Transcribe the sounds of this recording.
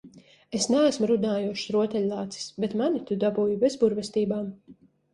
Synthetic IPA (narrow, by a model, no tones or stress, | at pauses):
esnɛæsmuɾud̪aːjuʃsɾuɔt̪ɛlʲlˠaːt̪si̥sbet̪manit̪ud̪abuːjubezbuɾvʲɛst̪iːbaːm